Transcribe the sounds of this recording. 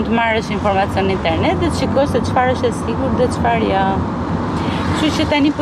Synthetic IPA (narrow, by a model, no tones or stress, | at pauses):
nt̪əmaɾɛʃinfɔɾmat͡sjɔnint̪ɛɾnɛt̪ðɛʃikɔsɛt͡ʃfaɾəʃɛsiɡuɾðɛt͡ʃfaɾja | ʃut͡ɕət̪anip